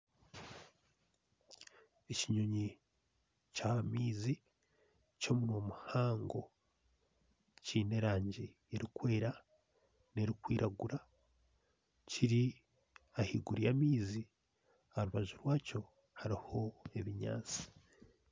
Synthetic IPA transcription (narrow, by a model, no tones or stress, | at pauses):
eciɲoɲi | camiːzi | co̞muno̞ːmuhaːŋɡo̞ | ciːne̞ɾaːɲɟi | eɾikwe̞ːɾa | ne̞ɾikwiːɾʔaɡuɾa | ciɾi | ahiɡuɾijamiːzi | aɾuβaʒuɾwaːco̞ | haɾiho̞e̞βiɲa̰ːt͡si̥